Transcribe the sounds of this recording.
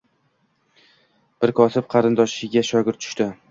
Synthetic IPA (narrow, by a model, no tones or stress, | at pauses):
b̥ɪɾkʰɒsɪp̚qʰɑɾɪnd̪ɒʃɪɡʲaʃɒɡʲɪɾt̪ːʰʊ̥ʃt̪ɪ